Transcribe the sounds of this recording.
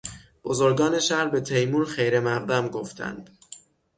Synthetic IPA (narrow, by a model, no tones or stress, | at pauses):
b̥ozo̞ɾɡɒːne̞ʃæhɾbe̞t̪ʰejmuːɾχejɾemæʁd̪æmɡoft̪ʰæ̰nd̪̥